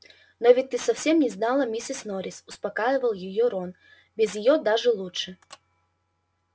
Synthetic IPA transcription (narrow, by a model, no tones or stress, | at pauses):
novʲɪt̚ʲt̪ːɨsɐfsʲemnʲɪznalˠəmʲisʲɪsnoɾʲɪsʊspɐkajɪvəlˠjɪjoɾon | bʲɪzjɪjod̪aʐɨlˠutʂɨ